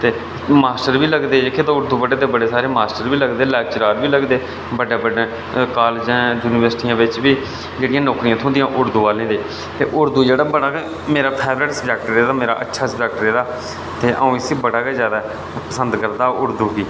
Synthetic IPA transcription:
t̪eː | maːsʈəɾʋiːləɡd̪eːekʰːeːt̪aʊɾd̪uːbəɖeːt̪eːbəɖeːsaːɾeːmaːsʈəɾbiːləɡd̪eːlɛːt͡ʃɾaːɾʋiːləɡd̪eː | bəɖeːbəɖẽː | kaːlːd͡ʒɛ̃ːd͡ʒjuːnɪʋəɾsʈiːãːʋɪt͡ʃbiː | d͡ʒeːɽɪjãːnɔːkɾijãːt̪ʰõːd̪ɪjãːʔʊɾd̪uːʋaːlẽːd̪eː | t̪ḛːʔʊɾd̪uːd͡ʒeːɽaːbəɽaːɡe | meːɾaːpʰɛːbɾəʈsəbɛːk̚ʈɾeːd̪aːmeːɾa̰ːʔətːʃʰaːsəbɛːk̚ʈɾeːd̪aː | t̪eːʔə̰ũːɪsiːbəɽaːkeːzjaːd̪aː | pəsənd̪kəɾd̪aːʊɾd̪uːɡiː

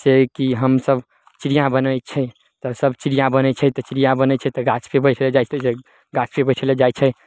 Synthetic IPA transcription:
sekiɦəmsəb | t͡ʃiɾijãbənəjt͡ʃʰɛ | t̪ɔsəbʱt͡ʃiɾijãbənɛt͡ʃʰɛt̪ɔt͡ʃiɾijãbənət͡ʃʰɛt̪ɔɡat͡ʃpʰebəjʈʰled͡ʒajt͡ʃʰse | ɡat͡ʃpʰebəjʈʰəled͡ʒajt͡ʃʰɛ

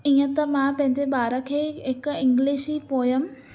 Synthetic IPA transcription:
iːə̃t̪ɐmãpɐ̃ɦɪ̃ɲd͡ʑeɓaːɾəkʰeːɦɪkɪ̃ŋɡliːʃiːpoːjəm

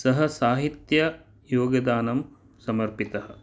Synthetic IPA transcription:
sɐɦɐsaːɦit̪jɐ | joːɡɐd̪aːnɐm | sɐmɐɾpit̪ɐɦɐ̆

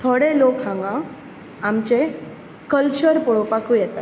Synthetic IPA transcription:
t̪ʰoɽelokɦãŋɡã | amt͡ɕe | kəlt͡ɕəɾpɔɭopakũjɛt̪a

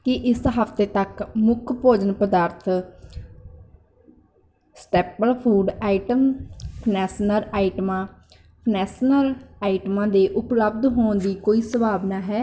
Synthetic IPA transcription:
kɪʔɪsɦəfʰt̪eːt̪əkmʊkʰpoːd͡ʒənpəd̪aːɾt̪ʰ | sʈeːpəlpʰuːɖaːɪʈəmpʰnɛːsnəɾaːɪʈmãː | pʰnɛːsnəlaːɪʈmãːd̪eːʔʊpləb̚d̪ɦoːnd̪iːkoːiːsəbaːbnaːɦɛː

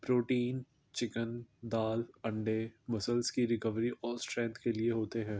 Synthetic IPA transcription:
pɾoːʈiːn | t͡ʃɪkənd̪aːlɐ̃ɳɖemɐsəlskiɾɪkəʋɾiʔɔːɾsʈɾɛ̃ːnt̪kelieɦoːt̪eɦɛ̃ː

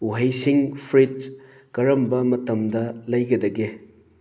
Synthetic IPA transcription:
uɦɐjsiŋpʰɾit̚ | kɐɾɐmbɐmɐtɐmdɐlɐjɡɐdɐɡe

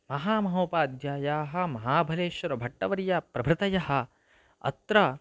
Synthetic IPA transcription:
mɐɦaːmɐɦɐwpaːd̪jaːjaːɦɐ̆mɐɦaːbʱɐleːʃʋɐɾɐbʱɐʈːɐʋɐɾjɐpɾɐbʱɾɪt̪ɐjɐɦɐ̆ | ɐ̰t̪ɾɐ

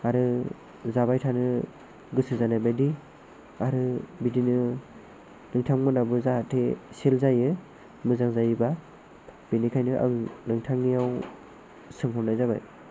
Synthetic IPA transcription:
aɾɯ | zabajtʰanɯ | ɡɯsɯzanajbajdi | aɾɯbidinɯ | nɯŋtʰaŋmɯnabɯzaɦatʰeselzajɯ | mɯzaŋzajiba | b̥inikʰajnɯʔa̰ŋnɯŋtʰaŋːijaw | sɯŋɦɔnajzaba̰j

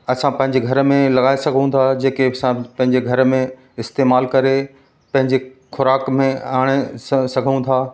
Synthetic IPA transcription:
ɐsãpɐ̃ɦɪ̃ɲd͡ʑeɡʱɐɾmẽlɐɡaːesɐɡʱõũnd̪ad͡ʑeːkesãpɐ̃ɦɪ̃ɲd͡ʑeɡʱɐɾmẽ | ɪst̪eːmaːlkɐɾe | pɐ̃ɦɪ̃ɲd͡ʑexʊɾaːkmẽaːɽ̃esɐɡʱũːd̪aː

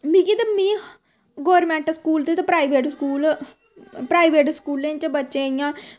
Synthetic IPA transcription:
mĩːkit̪amĩː | ɡoːəɾmɛ̃ːɳʈskuːlt̪et̪apɾaːiʋeːʈskuːl | pɾaːiʋeːʈskuːlẽt͡ʃəbətːʃẽːijãː

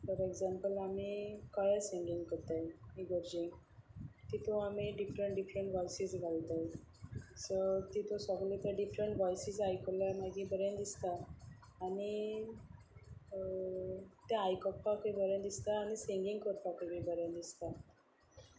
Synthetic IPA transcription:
fəɾeɡzampəlamiːkajasiŋɡiŋɡkəɾt̪ajiɡəɾd͡ʑi | t̪it̪oamiɖifɾəɳʈɖifɾəɳʈʋɔjsisɡʱalt̪aj | sət̪it̪osɔɡlet̪aɖifɾəɳʈʋɔjsid͡zajkəlamaɡĩbəɾãnd̪ist̪aː | ni | t̪aajkɔp̚ːakebəɾjãnd̪ist̪aːñisiŋɡiŋɡkəɾt̪akəbibəɾãnd̪ist̪a

